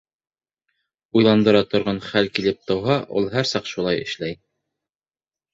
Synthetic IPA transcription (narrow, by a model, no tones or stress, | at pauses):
ujlˠɑnd̪ɤ̆ɾɑt̪ŏɾʁɑnχælkilɘp̚t̪ɤ̆wɦɑʔṵlˠɦæɾsɑqʃulˠɑjɘ̰̆ʃlæj